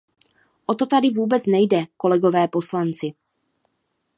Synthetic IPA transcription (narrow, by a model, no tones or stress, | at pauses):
ʔot̪o̞t̪adɪvuːbɛt͡snɛjdɛko̞lɛɡo̞vɛːpo̞slant͡sɪ